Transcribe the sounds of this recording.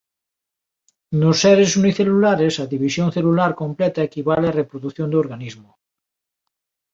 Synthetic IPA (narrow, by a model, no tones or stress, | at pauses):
nosːɛɾesuniθelulaɾesɐðiβisjõŋθelulaɾkomplɛt̪ɐekiβ̞aleɐrepɾoðuθjõnd̪ooɾɣanizmʊ